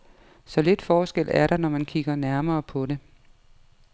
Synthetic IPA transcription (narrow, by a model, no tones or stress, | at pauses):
sɒ̽le̝d̥fɒːsɡ̥el̰æɐɾ̥ɑ̈nɒmænkʰiɡ̥ɐnæɐmɐːpʰɒ̽ɾe̝